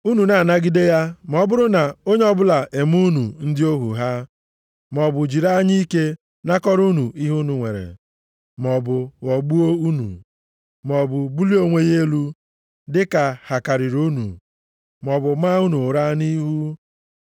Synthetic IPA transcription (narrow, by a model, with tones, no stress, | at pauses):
u˦nu˨na˨na˦ɡi˦de˦ja˦m˨ɔ˨˦bʊ˦ɾʊ˦na˨o˦ɲe˦ɔ˦bʊ˦la˨ʔe˨m˦u˦nu˨n̩˦dɪ˦o˦ɦṵ˨ɦa˦ | m˨ɔ˨bʊ˨d͡ʒi˨ɾa˦ɲi˦ke˦ | na˦kɔ˦ɾu˦nu˨i˦ɦu˦nu˨ŋʷḛ˨ɾḛ˨ | m˨ɔ˨bʊ˨ɣɔ˨ɡ͡bu˦o˦u˦nṵ˨ | m˨ɔ˨bʊ˨bu˦li˦o˦ŋʷe˦je˦lu˦ | dɪ˦ka˨ha˨ka˨ɾɪ˨ɾu˦nṵ˨ | m˨ɔ˨bʊ˨ma˦u˦nu˨ʊ˨ɾa˦ni˦ɦu˦